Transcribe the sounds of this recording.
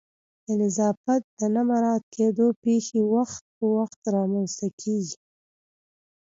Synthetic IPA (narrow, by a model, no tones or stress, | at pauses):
d̪̥ənɪzɑfat̪̚d̪ənamaɾɑt̪̚kʰed̪opexewaxt̪̚pəwaxt̪ɾɑmanst̪akʰeɡi